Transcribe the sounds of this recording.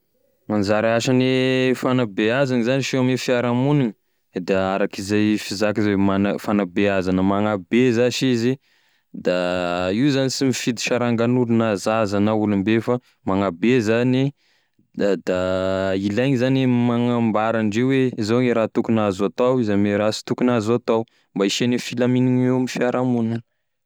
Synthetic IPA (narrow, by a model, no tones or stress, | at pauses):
anzaɾaaʃanefanabeazanizaniʃiamefiaɾamunini̥ | d̪aaɾakizajfizakizewemanfanabeazanəmaŋabezaʃizi | d̪aiuzanisimifid̪i̥ʃaɾaŋɡanulunazazanaulumbefa | maŋabezani | d̪d̪ailajɲizanimaŋambaɾaɳɖ͡ʐeweizoŋeɾat̪ukunazat̪awizameɾasi̥t̪ukunazoat̪aw | mbaiʃenefilaminiŋewmifiaɾamunan